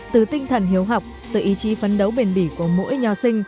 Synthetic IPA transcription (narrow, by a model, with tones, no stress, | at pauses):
t̪ɨ˨˩t̪ï˧ŋ̟t̪ʰə˨˩nɦi˨˦əwɦa˨˩wk͡p̚t̪ɨ̰˧˩ʔi˨˦t͡ɕi˨˦fə˨˦nɗə˨˦wɓe˨˩nɓi˧˩ku˧˩əmo̰˧˥jɲɔ˨˦sï˧ŋ̟